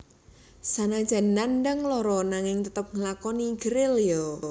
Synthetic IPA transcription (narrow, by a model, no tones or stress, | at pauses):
sanad̥ʒ̥a̤nanɖəŋlɔɾɔnaŋɪŋt̪ət̪əp̚ŋəlakɔniɡ̥əɾɪljo